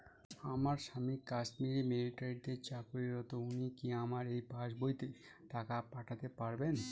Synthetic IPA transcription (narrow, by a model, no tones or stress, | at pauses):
amaɾʃamikaʃmiɾimeliʈaɾiɖd̪eɾt͡ɕakuɾiɾɔt̪ounikiamaɾejbʱaʃbojt̪et̪akapaʈʰat̪epaɾben